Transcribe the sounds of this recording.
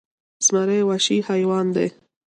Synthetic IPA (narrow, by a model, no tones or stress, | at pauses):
smaɾewaʃihajwɑːnd̪ḛ